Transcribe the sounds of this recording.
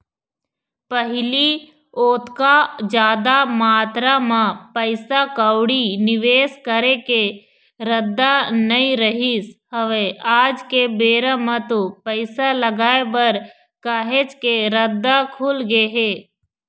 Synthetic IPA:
pəɦɪli | oːt̪kad͡ʒaːd̪amaːt̪ɾamãpəɪsakəwɽinɪʋeːskəɾeke | ɾəd̪ːanɐĩɾəɦisɦəʋeaːd͡ʒkebeːɾəmɐ̃t̪opəɪsalɐɡaːebɐɾ | kaːɦet͡ʃkeɾəd̪ːakʰuːlɡeeɦeː

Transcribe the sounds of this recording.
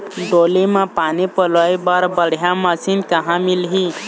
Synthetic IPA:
ɖolimapanipələjbaɾbəɽ̤jãməsinkəɦãmilɦi

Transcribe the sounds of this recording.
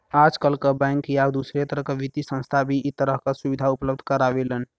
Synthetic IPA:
ad͡ʒkəlkəbãŋkjabd̪usɾet̪əɾəɦkəbit̪isə̃nst̪ʰabʱiit̪əɾəɦkəsubid̪ʱaupləb̚d̪ʱkəɾabelən

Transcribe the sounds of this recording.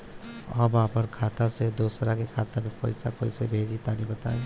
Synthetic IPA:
ɔbãpəɾkʰaːt̪ased̪oːsɾakekʰaːt̪amẽpɔ̰ɪsakoːisebʱeːd͡ʒit̪aːnibɐt̪aːẽ

